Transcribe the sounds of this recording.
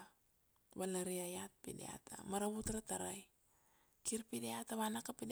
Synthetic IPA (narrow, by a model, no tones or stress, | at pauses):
βalaɾiajat̚pidḛa̰tʰa̰maɾaβutɾataɾaj | kiɾpideataβanakapid